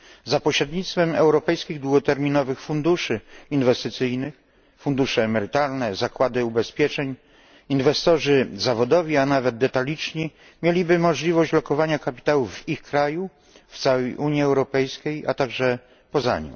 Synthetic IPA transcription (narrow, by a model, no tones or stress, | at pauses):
zapɔɕɾɛd̪ɲit̪st̪fɛmɛ̰wɾɔpɛjskʲiɣd̪wuɡɔt̪ɛɾmʲinɔvɘxfund̪uʂɘinvɛst̪ɘt̪sɘjnɘx | fund̪uʂɛːmɛɾɘt̪alnɛzakwad̪ɘubɛspʲjɛt͡ʂɛɲ | invɛst̪ɔʐɘzavɔd̪ɔvʲianavɛd̪̚d̪ɛt̪alʲit͡ʂɲi | mʲjelʲibɘmɔʐlʲivɔɕt͡ɕlɔkɔvaɲakapʲi̥t̪awuvvixkɾaju | ft̪sawɛjʔuɲjiɛwɾɔpɛjskʲeja̰t̪aɡʐɛ | pɔza̰ɲḭm